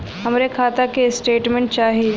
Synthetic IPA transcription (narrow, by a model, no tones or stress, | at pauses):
ɦɐmɾekʰaːt̪akesʈeːʈmẽɳʈ̚t͡ʃaːɦie